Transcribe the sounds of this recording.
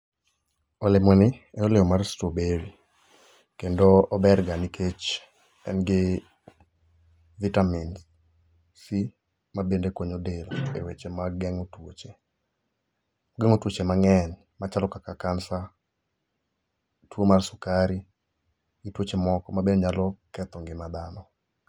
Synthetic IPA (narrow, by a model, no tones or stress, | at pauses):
ɔlɪmɔnɪɛɔlɪɔmarstobeɾi | kendoːbɛrɡanikʰet͡ʃ | ɛ̰nɡɪ | vitamins | si | mabendekwoɲodelɔḛwet͡ʃemaɡɛŋotwot͡ʃe | oɡeŋotwot͡ʃemaŋɛn | mat͡ʃalɔkakakansa | twomarsukaɾi | ɡitwot͡ʃemɔkɔmabenɲalɔkɛt̪ɔŋɡɪmad̪anɔ